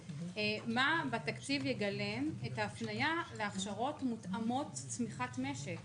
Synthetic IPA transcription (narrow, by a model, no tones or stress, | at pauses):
mabatakt͡sivjeɡale̞metaːfnajaleaχʃaʁo̞tmutamo̞tt͡smiχatme̞ʃek